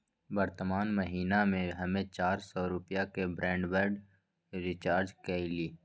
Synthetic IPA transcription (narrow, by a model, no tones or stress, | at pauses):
bəɾt̪əmaːnməɦiːnamẽɦɐmẽt͡ʃaːɾsɔːɾʊpjakebɾʔɛ̃ːɳɖbəɾɖ | ɾɪt͡ʃaːɾd͡ʒkɛiliː